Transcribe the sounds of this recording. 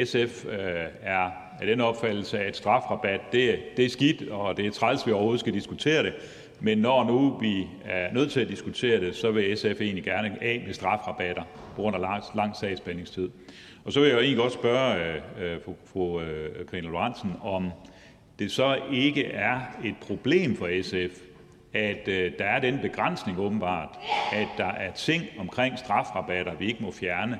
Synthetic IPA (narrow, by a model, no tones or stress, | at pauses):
esefæɐ | æɾ̥enɒ̽b̥fæd̥l̩səæd̥sd̥ʁɑ̈fʁɑ̈b̥æd̥ːe̝d̥e̝æɐsɡ̥id̥ɒ̽d̥e̝æt͡sʰʁɑlsʋiɒʊho̝ð̞̩ˠsɡ̥æd̥isɡ̥ut͡sʰe̝̰ːɐɾ̥e̝ | menːɒnuʋi | æɐnøð̞̰ˠt͡sʰe̝æd̥isɡ̥ut͡sʰe̝̰ːɐɾ̥e̝sɒ̽ʋe̝esefe̝̰ːnliɡ̥æɐnəɛ̰ːmesd̥ʁɑ̈fʁɑ̈b̥æɾ̥ɐpʰɒ̽ɡ̥ʁɔ̽n̰ɐlɑ̈ŋ̰sɛ̰ɪ̰sb̥ene̝ŋst͡sʰið̞̰ˠ | ɒ̽sɒ̽ʋe̝jae̝ːnli̥ɡɒ̥̽sb̥ɶɐ | fokʰʁinæloɑn̰sn̩ɒ̽m | d̥e̝sɒ̽e̝ɡ̥əʔæɐe̝d̥̚pʰʁo̝b̥le̝̰ːmfɒ̽esef | æd̥ːɑ̈æɐdɾenəb̥e̝ɡ̥ʁɑn̰sne̝ŋɔ̽ːb̥n̩b̥ɑ̰̈ːd̥æd̥ːɑ̈ʔæɐt͡sʰe̝ŋ̰ɒ̽mkʰʁeŋ̰sd̥ʁɑ̈fʁɑ̈b̥æɾ̥ɐʋie̝ɡ̥əmɒ̽fjæɐnə